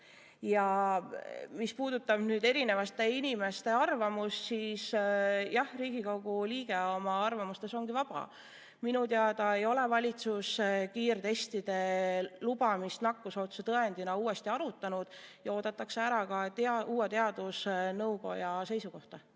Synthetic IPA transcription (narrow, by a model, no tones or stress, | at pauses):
jɑ | mispuːd̪ut̪ːˑɑb̥nyːd̪e̞ɾine̞vɑst̪e̞inime̞st̪e̞ɑrvɑmust̪siːsjɑhriːɡ̥ikoɡ̥uliːɡ̥e̞o̞mɑɑrvɑmust̪e̞so̞ŋɡivɑb̥ɑ̰ | minut̪eɑd̪ɑejo̞le̞vɑlʲit̪suskiːrt̪e̞st̪id̪̥e̞lubɑmist̪nɑkːuso̞ːt̪set̪ɤend̪inɑuːe̞st̪iɑɾut̪ːˑɑnud̪̥jɑo̞ːd̪̥ɑt̪ːˑɑkse̞æɾɑkɑt̪ɑuːet̪e̞ɑd̪̥usnɤwko̞̰jɑse̞jsuko̞ht̪ɑ